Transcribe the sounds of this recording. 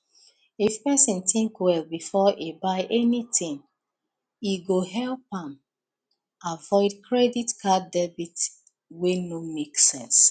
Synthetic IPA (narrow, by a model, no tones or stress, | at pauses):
ifpɛsĩntĩŋkwɛlbifɔʔebaɪʔɛnitĩŋ | iɡoɦɛlpãm | avɔɪdkʰɹɛditkʰadɛbit | wenomeksɛ̃ns